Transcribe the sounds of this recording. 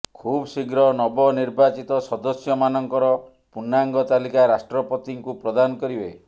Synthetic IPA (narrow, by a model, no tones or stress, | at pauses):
kʰubɔsiɡɾɔnɔbɔniɾbat͡ʃit̪ɔsɔd̪ɔsjɔmanɔŋkɔɾɔ | punaŋɡɔt̪alikaɾasʈɾɔpɔt̪iŋkupɾɔd̪anɔkɔɾibe